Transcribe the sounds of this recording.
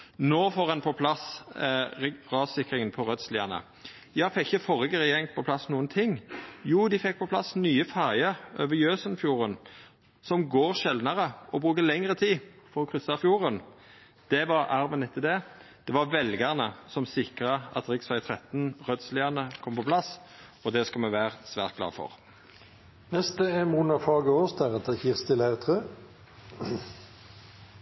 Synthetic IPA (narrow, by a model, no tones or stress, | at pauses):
noːfɔʁɑnpʰɔpʰlɑs | ʁɑsɪkɾɪŋənpʰɔʁœd̪sliːɑnə̰ | jɑːfɛkːɪçəfɔʁəɡəʁəjɛŋt̪pʰɔpʰlɑsnuːənt̪ʰɪŋːjuːd̪ɪfɛk̚ːpʰɔpʰlɑ̰snyːəfæʁɪəøːʋəjøːsənfjuːʁən | sɔmɡoːʁʃɛld̪nəʁəɔbʁʉːkəlɛŋɾət̪ʰiː | fɔɾɔkʰʁʏsːɑfjuːʁən | d̪̥ɛʋɑʁɑɾʋənɛt̪ʰːəd̪ɛd̪̥ɛʋɑʋɛlɡɑʁnəsɔmsɪkʁəɑ̰t̪ʁɪksʋæɪt̪ʰʁɛt̪n̩ʁœd̪slɪɑnəkʰɔmpɔpʰlɑs | ɔd̪ɛskɑlmɛʋæːʁəsʋæ̰ːʁt̪̚ɡ̥lɑ̰ːfɔ̰ʁ | nɛst̪əɛmuːnɑfɑːɡəoːsd̪æʁɑt̪əçɪʁst̪ɪlæʁt̪ʰʁøː